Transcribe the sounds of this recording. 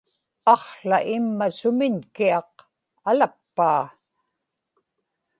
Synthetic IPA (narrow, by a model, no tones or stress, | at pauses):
ɑχɬa̰ʔɪmːasʊmɪɲkiɑq | alapːaː